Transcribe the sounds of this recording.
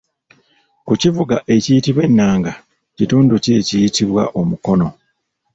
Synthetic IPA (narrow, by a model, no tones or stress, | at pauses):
kucivuɡaʔe̞cijitiβwe̞nːaːŋɡa | cituːnduce̞cijitiβwa̰ʔo̞muko̞no̞